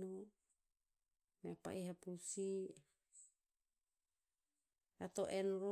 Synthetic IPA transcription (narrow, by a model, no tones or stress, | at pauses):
nu | meapa̰ʔiɦapusi | at̪oʔenɾo